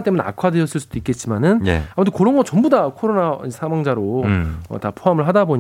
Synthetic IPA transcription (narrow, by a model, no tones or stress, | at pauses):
nt͈e̞munea̰kʰwadeʌs͈ɯɭs̬͈ud̥oik͈e̞t̚t͡ɕ͈imanɯnḛamɯtʰekɯɾʌnɡʌt͡ɕʌmbudakʰoɾonasʰaŋwaŋd͡ʑaɾoʌ̰tapʰoamɯɭɦadaboɲ